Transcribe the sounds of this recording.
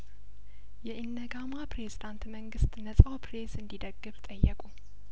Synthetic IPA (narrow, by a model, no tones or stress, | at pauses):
jɛʔɪnːəɡamapɾezid̪ant̪məŋɡɨst̪ʼnəsʼawpʰɾe̞sɨnd̪id̪əɡːɨβt̪ʼəjːəkʼu